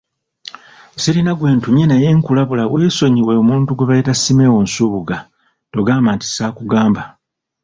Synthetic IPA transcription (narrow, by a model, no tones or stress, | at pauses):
siɾinaɡwe̞ːntumjenaje̞ːŋkulaβulaweso̞ɲiweomuːntuɡweβaleːtasimewo̞nsuːβuɡa | to̞ɡaːmbaːnti̥saːkuɡaːmba